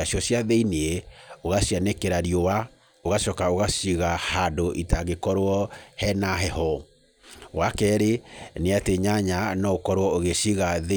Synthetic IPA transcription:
asjɔsjaðeineeoɣaʃianekeɾaɾiowa | oɣaʃɔkaoɣasiɣahadoʔitaɣekɔɾwɔhɛnaɦɛhɔ | wakɛɾeneateɲaɲanɔokɔɾwɔoɣeʃiɣaðe

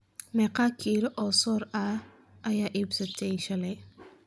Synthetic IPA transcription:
mɛqɑːkʰiːlɔʔɔːsɔːɾɐ | ʔɐjaːʔiːbsɐt̪ʰɛjʃɐlɛ

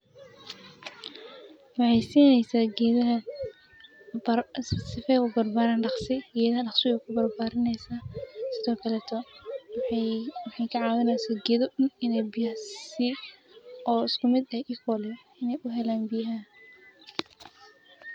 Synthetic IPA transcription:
wɑħɑjsiːnɛjsaːɡɛðɐɦɐ | bsɪfɛʊbɐrbaːɾaːnɖɑχsɪɡɛːðɐhɐɖɑχsɪwɛjkʰʊbɐrbaːɾɪnɛjsaːsɪðɔːkʰɐlɛːt̪ʰɔwwɑħɑjkʰɐʕɑːwɪnɛjsaːɡɛðɔʊnɪnɛjbɪjɐhssɪ | ɔːɪskʊmɪd̪ɛjʔɪkʰɔːlɛj | ɪnɛjʔʊɦɛlaːnbɪjɦɐ

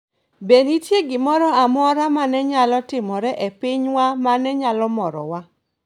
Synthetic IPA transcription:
benitjeɡɪmɔɾɔamɔɾamanɛɲalɔtɪmɔɾɛʔepɪɲwamanɛɲalɔmɔɾɔ̰wa

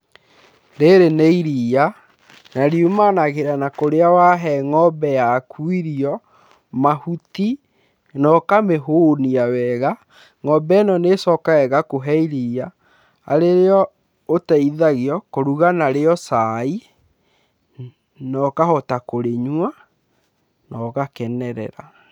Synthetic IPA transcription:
ɾeɾeneiɾiːa | naɾiumanaɣeɾanakoɾeawaɦɛŋɔbɛjakʰwiɾiɔ | mahuti | nɔkameɦoniawɛɣa | ŋɔbɛnɔnesɔkaɛɣakoɦɛiɾia̰ː | ɾeɾeɔ | otɛiðaɣiɔkoɾuɣanaɾeɔsai | nɔkahɔtakoɾeɲwa | nɔɣakɛnɛɾɛ̰ɾa

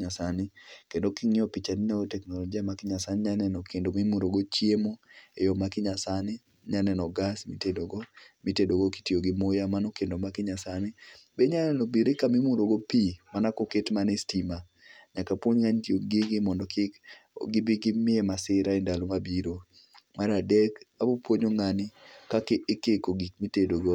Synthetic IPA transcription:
ɲasanɪkendokiŋɪɔpit͡ʃaninaɡotɛknɔlɔɡiamakɪɲasanɪɲanɛnɔkʰendomimuɾoɡot͡ʃjemoejɔmakɪɲasanɪ | ɲanɛnɔɡasmitedoɡɔmitedoɡoki̥tioɡɪmojamanokendomakɪɲasanɪbɛɲanɛnɔbiɾɪkamɪmuɾoɡopimanakoketmanestima | ɲakapwoɲŋantioɡɪɡɪmɔndɔkɪɡɪbɪɡɪmɪɛmasɪɾaindalomabiɾo | maɾadɛkabopwoɲoŋanɪkakeekekoɡikmitedoɡo

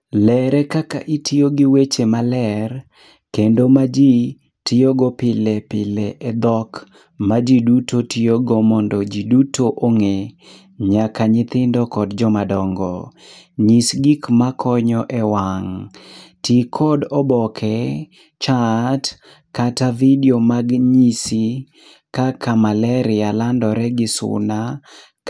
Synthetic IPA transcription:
lɛɾɛkaka̰ʔitʰioɡiwet͡ʃemalɛr | kendomad͡ʒi | tɪoɡɔpɪlɛpɪlɛʔed̪ɔk | mad͡ʒidutʰotioɡɔmɔndɔd͡ʒidutʰoʔoŋe | ɲakaɲɪt̪ɪndɔkɔdd͡ʒɔmadɔŋɡɔ | ɲisɡikmakʰɔɲɔʔɛwaŋtʰikʰɔdɔbɔkʰɛ | t͡ʃat | katavidiomaɡɲisi | kakamalɛɾɪalandɔɾɛɡɪsʊ̰na

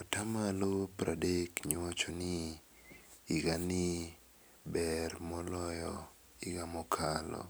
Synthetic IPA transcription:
ɔtamalopɾʔadekɲwat͡ʃonɪ | ɡanɪ | bɛrmɔlɔjɔ | ɪɡamɔkʰalɔ̰

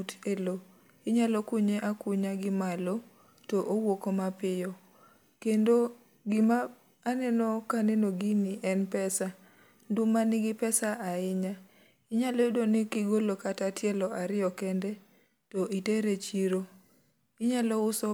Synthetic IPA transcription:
utelo | ɪɲalɔkʊɲeʔakʊɲaɡɪmalo | toʔowokomapɪjɔ | kendo | ɡɪmaː | nɛnɔkanenoɡinɪʔɛnpɛsa | ndumanɪɡɪpɛsaʔaɪɲa | ɪɲalɔedonɪkiɡolokatatjɛlɔaɾɪɔkɛndɛ | toiteɾet͡ʃiɾo | ɪɲalɔʊsɔ

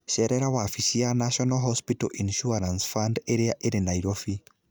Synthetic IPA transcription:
ʃɛɾɛɾawafisianaʃɔnaɦɔspitɔ̰ʔinʃuaɾansfandeɾeaʔeɾenaiɾofi

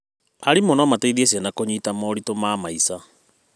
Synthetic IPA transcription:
aɾimɔnɔmataiðiesianakoɲiːtamɔːɾitomaːmaisa

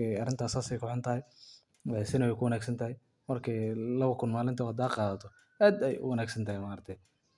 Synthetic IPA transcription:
ɛɐrɪnt̪ʰaːsaːsɛjkʰɔħɔnt̪ʰɐɦɛj | wsɪnɐwɛjkʰʊwɐnaːɡsɐnt̪ʰɐhɪj | mɐrkʰɛjlɐβɐkʰʊnmaːlɪnt̪ʰɐhɐd̪aːqɑːðɐt̪ʰɔ | ʔaːd̪ɛjʊ̰wɐnaːɡsɐnt̪ʰɐhɛjmaːɾt̪ʰɛj

